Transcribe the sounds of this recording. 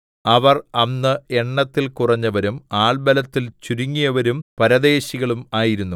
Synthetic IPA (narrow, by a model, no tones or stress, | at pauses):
ɐʋɐrɐnːɨeɳːɐt̪ːilkurɐɲːɐʋɐɾumaːɭbɐlɐt̪ːilt͡ɕuɾiŋːijɐʋɐɾumpɐɾɐd̪e̞ːɕiɣɐɭumaːjiɾunːu